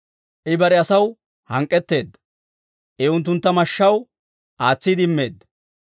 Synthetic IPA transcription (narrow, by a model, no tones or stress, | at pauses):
ʔɪbɐɾɛɐsɐw | hɐŋkʼːɛt̪ːe̞ːd̪ːɐ | ʔɛʊnt̪̬ːʊnt̪ːɐmɐʃːɐw | ʔaːt͡sːɪd̪ɪmːe̞ːd̪ːɐ